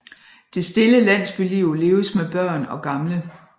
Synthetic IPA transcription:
d̥e̝sd̥e̝ləlæn̰sb̥iliʊ̰le̝ːʊəsmeb̥ɶɐ̰nɒ̽ɡ̥ɑ̈mlə

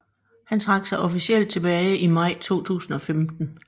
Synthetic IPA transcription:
hænt͡sʰʁɑ̈ɡ̥sɑ̈ɪʔɒ̽fisiel̰d̥̚t͡sʰe̝b̥ɛːɪʔimɑ̈ɪ̰t͡sʰo̝̰ːt͡sʰṵːsn̩ɒ̽femd̥n̩

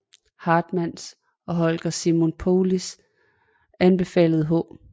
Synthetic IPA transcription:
hɑ̈ːd̥mæns | ɒ̽ɦɒ̽lɡ̥ɐsimo̝npʰo̝ːlis | ænb̥e̝fɛ̰ːləð̞̩ˠəɦɔ̰̽ː

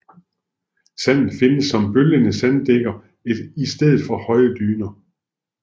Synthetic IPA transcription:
sæn̰n̩fe̝nəsːɒ̽mb̥øljənəsænd̥eɡ̥ɐ | ed̥isd̥eðˠð̩ˠfɒ̽hɒ̽ɪəd̥yːnɐ

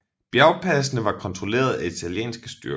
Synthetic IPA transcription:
b̥jæʊpʰæs̬nəʋɑ̈kʰɒ̽nt͡sʰʁole̝̰ːɐð̞ˠæit͡sʰæljḛːnsɡ̥əsd̥yɐ

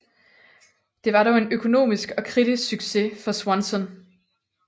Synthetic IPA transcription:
d̥e̝ʋɑ̈ɾɒʊe̝nøkʰo̝no̝̰ːmisɡ̥ɒ̽kʰʁid̥isɡ̥syɡ̥se̝fɒ̽swɒnsɔn

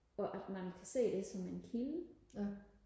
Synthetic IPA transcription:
ɒ̽ʔæd̥mænkʰæse̝̰ːd̥e̝sɒ̽menkʰilə

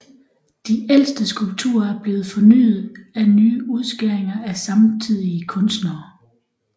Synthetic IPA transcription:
d̥iʔel̰sd̥əsɡ̥ulb̥̚t͡sʰṵːɐæɐb̥le̝ːð̩ˠfɒ̽ny̰ːð̩ˠænyːuð̞ˠsɡ̥eɐeŋɐʔæsɑ̈mt͡sʰið̰ˠiəkʰɔ̽nsd̥nɐː

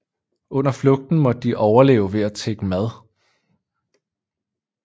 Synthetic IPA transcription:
ɔ̽n̰ɐflɔ̽ɡ̥̚d̥n̩mɒ̽d̥ə̥ːiʔɒʊɐle̝̰ːʊʋe̝æt͡sʰeɡ̥əmæð̞ˠ

